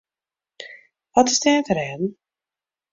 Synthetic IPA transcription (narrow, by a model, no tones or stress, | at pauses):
ʋɔtɪzdɛːvəɾɛːdn̩